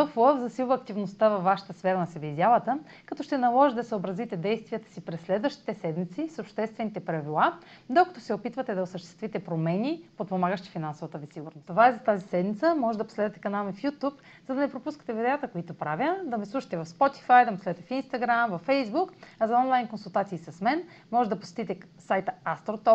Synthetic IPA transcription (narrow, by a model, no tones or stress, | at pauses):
oflˠəvzɐsilˠvɐːk̚t̪ivnost̪avɐfvːaʃə̥t̪əsfɛɾənɐsɛvizjalˠət̪ə | kɐt̪ɔʃt̪ɛnɐlˠɔʒid̪ɐsəobɾɐzit̪ɛd̪ɛjst̪viət̪ə̥sipɾɛsːlɛd̪vəʃt̪i̥t̪ɛsɛd̪mit̪sisopʃt̪ɛst̪vɛnit̪ɛpɾɐvilˠad̪okɐt̪osɛopit̪vɐt̪ɛd̪ɐosəʃt̪ɛ̥st̪vit̪ɛpɾomɛnipot̪̚pomaɡəʃt̪i̥finansovət̪əvisiɡʊɾnost̪ovaɛzɐt̪azisɛd̪mit̪səmɔʒɛd̪ɐpo̥slɛd̪ət̪ɛ̥kɐnalˠmifjut̪up | zɐd̪ɐnɛpɾopuskət̪ɛvid̪ɛat̪əkoit̪opɾavʲjəd̪ɐmislˠuʃi̥t̪ɛvɐfspɔt̪i̥fajd̪ɐmposlɛd̪ɛt̪ɛfinst̪ɐɡɾamvɐfːɛjzbukɐzɐɔnlˠajnkonsulˠt̪at̪siːsɐsmɛn | mɔʒɛd̪ɐpo̥sɛ̥t̪it̪ɛsajt̪əast̪ɾot̪ɔp